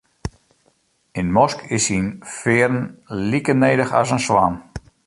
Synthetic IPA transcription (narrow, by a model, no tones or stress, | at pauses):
ɪnmɔskʰɪsinfɪərn̩likənejdəxa̰sənswan